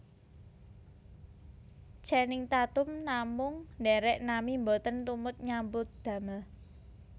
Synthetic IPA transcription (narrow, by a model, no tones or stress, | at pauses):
t͡ʃɛnɪŋt̪at̪ʊmnamʊŋnɖɛɾɛʔnamimbot̪ənt̪umʊt̪̚ɲambʊt̪̚d̪̥a̤məl